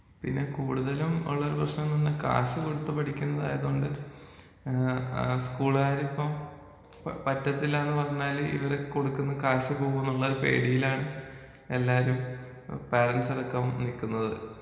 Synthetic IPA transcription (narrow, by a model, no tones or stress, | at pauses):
pinːe̞kuːɽuðɐlumṵɭːɐoɾuprɐɕnɐmninːɨka̰ːɕɐkoɽut̪ːupɐʈʰikʲːunːɐða̰ːjɐðoːɳɖɨ | skuːɭaːɾipːɐm | pɐtːɐt̪ːilaːnːɨpɐrɐɲːaːlḭʋɐɾekoɽukːunːɐkaːɕɐpo̞ːɣunːuɭːɐoɾupe̞̰ːɽijilaːɳɨ | e̞lːaːɾum | peːrɐnsɐɽɐkːɐmnilkːunːɐðɨ̰